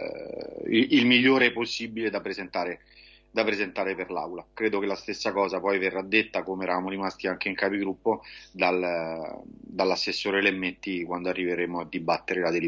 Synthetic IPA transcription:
ḭilmiʎːoːɾeɛposːibiled̪apɾezent̪aːɾe | d̪apɾezent̪aːɾeperlawlakɾeːd̪okelːast̪esːakɔːzapɔjverːad̪ːet̪ːakomeɛɾavamoɾimast̪iaŋk̟eiŋkaːpiɡɾupːod̪al | d̪alːasːesːoːɾelemːent̪ːikwand̪oarːiveɾemoad̪ibːat̪ːeɾelad̪el

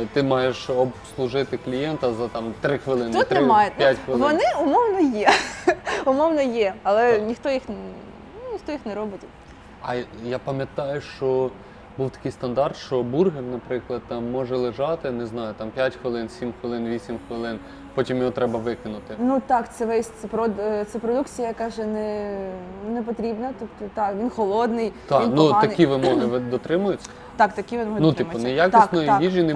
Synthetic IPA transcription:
t̪ɪmɑjeʃɔslˠʊʒɪt̪ɪklʲijɛnt̪ɐzɐt̪ɑmt̪ɾɪxʋɪlˠɪnt̪ut̪mɑjʊpjatʲxʋɪlˠʋɔnɪʊmɔwnɔjɛ | ʊmɔwnɔjɛɐlˠɛnʲixt̪ɔjix | nʲixt̪ɔjixnɛɾɔbɪtʲ | ɐjapɐmʲjɐt̪ɑjʊʃt͡ʃɔ | buwt̪ɐ̥kɪjst̪ɐnd̪ɑrt̪ʃt͡ʃɔburɦɪrnɐpɾɪklˠɐd̪̥̚t̪ɑmːɔʒɛlˠeʒɑt̪ɪneznɑjʊt̪ɑmpʲjatʲxʋɪlˠɪnsʲimxʋɪlˠɪnʋʲisʲimxʋɪlˠɪn | pɔtʲimjɔɦɔt̪ɾɛbɐʋɪkɪnʊt̪ɪnut̪ɑkt̪sɛʋɛsʲt̪t͡s̪ɛpɾɔt̪sɛpɾɔd̪ukt͡sʲijɐjɐkɑʒɛnɛ | nɛp̬ɔt̪ɾʲibnɐt̪ɔpt̪ɔt̪ɑkʋʲinxɔlˠɔd̪nɪjt̪ɑnnuɐkʲiʋɪmɔɦɪʋd̪ɔt̪ɾɪmʊjʊt͡sʲːɐ | t̪ɑkt̪ɐkʲiʋɪnɔɦɔnʊt̪imɔnɛjak̪ʲist̪ʲnɔjiʋʲiʒʲinɪ

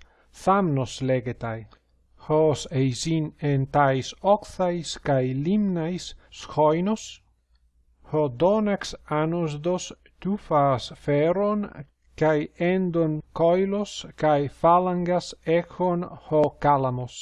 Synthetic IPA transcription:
θamnosleɡet̪aj | hosejzinent̪ajsɔkθajskajlimnajsːxojnos | hod̪onaksanosd̪os | t̪ufasfɛɾon | kajend̪onkɔjloskajfalaŋɡasɛxonhokalamos

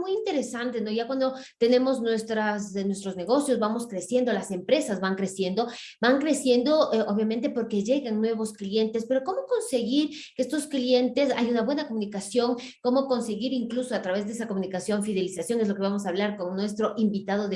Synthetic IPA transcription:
mujint̪e̞ɾe̞sant̪e̞no̞ʝakwand̪o̞ | t̪e̞ne̞mo̞znwe̞st̪ɾasnwest̪ɾo̞zne̞ɣo̞sjo̞zβamo̞skɾe̞sje̞nd̪o̞lase̞mpɾe̞sazβaŋkɾe̞sje̞nd̪o | baŋkɾe̞sje̞nd̪o̞oβjamẽnt̪e̞po̞ɾke̞ʝe̞ɣaŋnwe̞βo̞sklje̞nt̪e̞spe̞ɾo̞ko̞mo̞ko̞nse̞ɣiɾkeest̪o̞sklje̞nt̪e̞sa̰junaβwe̞nakomũnikasjo̞ŋ | ko̞mo̞ko̞nse̞ɣiɾiŋkluso̞at̪ɾaβ̞e̞zðees̬ako̞mũnikasjo̞ɱfiðe̞lisasjo̞ŋe̞zlo̞keβamo̞saβ̞laɾko̞ŋnwe̞st̪ɾo̞ʔimbit̪að̞o̞ðe

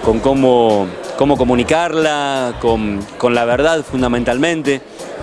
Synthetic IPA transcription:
ko̞ŋkomoko̞mo̞ko̞mũnikaɾlakoŋko̞nlaβeɾðaðfund̪amẽnt̪almẽ̞nt̪e

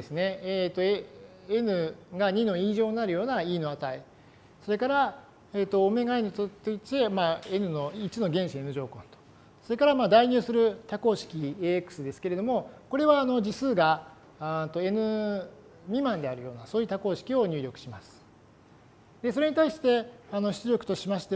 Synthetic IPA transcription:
esɨne̞t̪ːo̞ | enɯ̟ɡaɲ̟ino̞iːʑo̞ːɲʲnaɾɯ̟jo̞ːnaiːnoat̪ai | so̞ɾe̞kaɾa | eːt̪ːo̞ːme̞ɡainɯt͡sot̪ːɨit͡ɕ̪emaːe̞nɯ̟no̞it͡sino̞ɡẽ̞ɰ̃ɕie̞nɯ̟ʑo̞ːkõ̞nt̪o̥ | so̞ɾe̞kaɾamaːd̪aiɲ̟ɨːsɨɾɯ̟t̪ako̞ːɕi̥kʲieːekɯ̥sɨd̪e̞sɨ̥ke̞ɾe̞d̪o̞mo̞ko̞ɾe̞βaːno̞d͡ʑisɨːɡa | t̪o̞e̞nɯ̟ | ɲimãnd̪e̞aɾɯ̟jo̞ːnaso̞ːji̟ːt̪ako̞ːɕi̥kʲio̞ɲ̟ɨːɾʲo̞kɯ̟ɕimasɨ̥ | d̪̥e̞so̞ɾe̞ɲit̪aiɕi̥t̪e̞ano̞ɕi̥t͡sɨɾʲo̞kɯ̟̥t̪o̞ɕimaɕi̥t̪e

